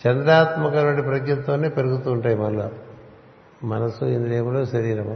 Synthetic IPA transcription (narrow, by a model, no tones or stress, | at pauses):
t͡ʃɛnd̪ɾaːt̪mɐkɐnɐɖipɾɐɡɲɐnt̪oːneːpeɾuɡut̪uːɳʈaːjimɐlːa | mɐnɐsuend̪ileːmuɽoːʃɐɾiːɾɐm